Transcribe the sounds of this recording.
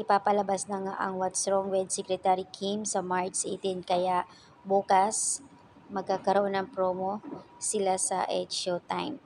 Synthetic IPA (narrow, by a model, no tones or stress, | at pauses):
ʔɪpaːpɐlɐbasnɐŋa̰ʔɐ̰ŋwɐt̪sɾoŋwɛd̪̚sɛkɾɛt̪aɾikʰimsɐmaɹt͡ʃt͡ʃʔḛjt̪ɪnkɐjaʔ | buːkɐs | mɐɡ̚kakɐɾoʔo̞nːɐŋpɾoːmosɪlasɐ̰ʔɛt͡ʃot̪ajm